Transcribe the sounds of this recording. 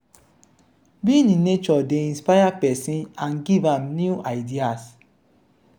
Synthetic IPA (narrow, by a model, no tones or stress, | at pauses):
bininet͡ʃɔdeĩnspajapɛsĩnãnɡivãmnjuʔaɪdias